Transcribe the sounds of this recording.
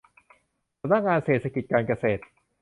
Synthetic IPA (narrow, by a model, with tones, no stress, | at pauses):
a˧˩na˥ŋaː˧nseː˨˩t̪̚ʰːa˧ki˨˩t̪̚kaː˧nka˧seː˨˩t̪̚